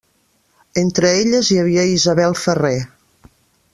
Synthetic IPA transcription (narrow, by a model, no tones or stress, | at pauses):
ent̪ɾəeʎəzjəβiəizəβɛlˠfəre